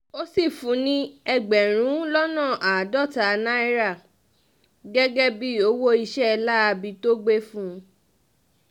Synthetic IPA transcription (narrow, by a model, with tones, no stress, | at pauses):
o˦si˦˨fũ˨˦nĩ˦ɛ˧ɡ͡bɛ˨ɾ̃ũ˨˦lɔ˦nã˦˨ʔa˨dɔ˦˨ta˨˧nã˦i˦ɾa˦˨ | ɡɛ˦ɡɛ˦bi˦o˨˦wo˦i˧ʃɛ˦˧la˦a˧bi˧to˦ɡ͡be˦fũ˦